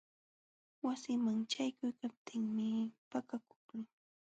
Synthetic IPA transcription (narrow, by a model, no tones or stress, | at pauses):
wasɪmaŋt͡ʃajkʊjkap̚t̪ʰɪŋmɪpakakʊ̥χnɪŋ